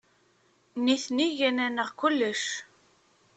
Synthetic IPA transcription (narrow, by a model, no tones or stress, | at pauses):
niθniʝænænəʁkʊlːəʃ